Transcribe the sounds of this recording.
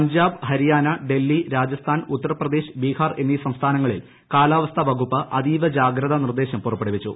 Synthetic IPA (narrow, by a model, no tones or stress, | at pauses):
ɐɲd͡ʑaːbɦɐɾijaːnɐɖe̞lːiɾaːd͡ʑɐst̪ʰaːnut̪ːɐɾɐprɐd̪eːɕbiːkaːrenːisɐmst̪ʰaːnɐŋːɐɭil | kaːlaːʋɐst̪ʰɐbɐɡupːɐʔɐd̪iːʋɐd͡ʑaːɡɾɐðɐnird̪e̞ːɕɐmpurɐpːeɽiʋit͡ɕːṵ